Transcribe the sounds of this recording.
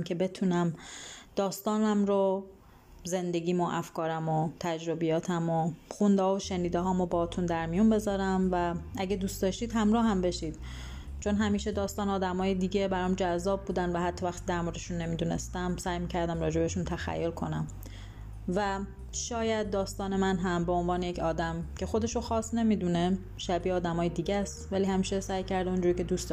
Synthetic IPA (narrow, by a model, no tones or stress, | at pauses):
mcʰe̞be̞t̪ʰuːnæmd̪̥ɒːst̪ɒːnæmɾo | ze̞nd̪e̞ɡiːmoʔæfkɒːɾæmot̪ʰæd͡ʒɾobijɒːt̪ʰæmoxund̪ɒːvoʃeniːd̪eɦɒːmobɒːt̪ʰund̪æɾmijunbe̞zɒːɾæmvæʔæɟed̪uːst̪ɒʃt̪iːd̪ɦæmɾɒːɦæmbe̞ʃid̪̥ | t͡ʃʰo̞nɦæmiːʃe̞d̪ɒːst̪ɒːnɒːd̪æmɒːjed̪iːɟebæɾɒːmd͡ʒæzːɒːb̚buːd̪ænvæɦæt̪ʰːɒːvæxt̪ʰiːd̪æɾmo̞ɾd̪eʃunːe̞miːd̪unḛst̪æmsæːjmiːcʰæɾd̪æmɾɒːd͡ʒebeʃunt̪ʰæxæ̰jːo̞lkʰo̞næm | væ | ʃɒːjæd̪̚ːɒːst̪ɒːne̞mænɦæmbe̞o̞nvɒːneje̞cʰɒːd̪æmcʰe̞xo̞d̪e̞ʃoxɒːsne̞miːd̪une | ʃæbiːɒːd̪æmɒːjed̪iːɟæst̪væliːhæmiːʃesæjcʰæɾd̪eond͡ʒuɾiːcʰe̞d̪uːst̪d̪